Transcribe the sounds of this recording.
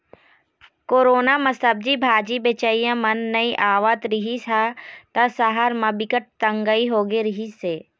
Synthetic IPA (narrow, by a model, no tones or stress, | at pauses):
koːɾoːnamɐsəb̚d͡ʒibʱaːd͡ʒibet͡ʃaijãmɐnːɐiʔaːʋət̪ɾɪɦisat̪ɐsaɦaɾmɐ̃bɪkəʈ̚t̪ɐ̃ŋɡəiɦoːɡeɾɪɦiseː